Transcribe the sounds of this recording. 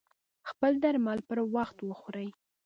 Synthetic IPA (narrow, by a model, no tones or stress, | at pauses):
xpəld̪aɾmɑlpəɾwaxt̪wəxoɾəj